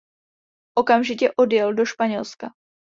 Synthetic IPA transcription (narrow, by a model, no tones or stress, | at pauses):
ʔo̞kamʒɪcɛʔo̞djɛldoʃpaɲɛlska